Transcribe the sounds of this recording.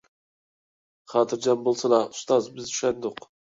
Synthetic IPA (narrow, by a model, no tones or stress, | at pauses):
χɑːt̪ʰɨɾd͡ʒɑmbolˠsɨlˠɑust̪ɑzbɪzyʃɛnd̪ʊq